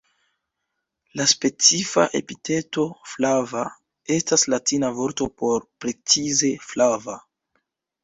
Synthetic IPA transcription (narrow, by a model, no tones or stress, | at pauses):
laspe̞t͡sifa̰ʔe̞̰pitʰe̞to̞flava | e̞staslatinavo̞ɾto̞po̞ɾpɾe̞t͡size̞flava